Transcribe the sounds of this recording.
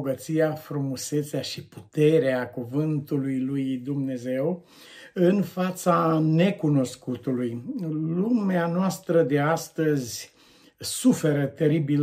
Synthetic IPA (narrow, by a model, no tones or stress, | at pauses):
ɡət̪sijafɾumuse̞t̪seaʃiput̪e̞ɾeakuvɨnt̪ulujlujd̪umne̞ze̞w | ɨnfat̪sane̞kuno̞skut̪ulujlumeanoast̪ɾəd̪e̞ast̪əzʲ | sufe̞ɾət̪e̞ɾibil